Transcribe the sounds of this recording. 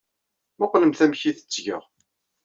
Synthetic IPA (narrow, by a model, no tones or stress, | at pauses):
mæqːləmθæmçiθə̥t͡sːʝə̰ʁ